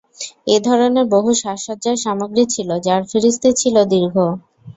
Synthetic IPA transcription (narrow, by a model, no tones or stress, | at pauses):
ed̪ʱɔɾoneɾboɦuʃaʃot̪̚ːd͡ʑaɾʃamoɡɾit͡ɕʰilod͡ʑaɾfiɾist̪ʰit͡ɕʰilod̪iɾɡʱo